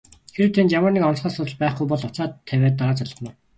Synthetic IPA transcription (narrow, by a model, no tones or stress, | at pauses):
xeɾɘ̆wt̪ʰent̪jamərnikɔnsχaːsʊt̪ə̆ɮpæːχɡujpɔɮʊt͡saːt̪ʰːæwʲæːt̪ːaɾaːt͡saɮə̥̆nʊ̆ː